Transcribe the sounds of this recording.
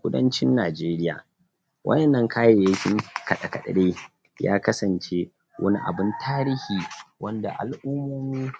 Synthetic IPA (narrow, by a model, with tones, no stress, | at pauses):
kʷʊ˦dɐ̰˦nt͡ʃɪ˦nːaː˨d͡ʒeː˦ɾɪ˦ja̰ː˨ | wʔɐ̰˦jʔɛ˨nːɐ˦ŋka˦je˨je˦kʲɪ˦ŋkɐ˨ɗɐ˨kɐ˨ɗɐ̰˨ɽeː˦ | ja̰ː˦kɐ˦sɐ˨nt͡ʃe˦ | wʔɐ˦nḭ˦ʔa̰˨bɪ˦ntʰaː˦ɾiː˦hiː˨wɐ˦nda̰˨ʔa̰˨lʔʊ˦mːoː˦miː˦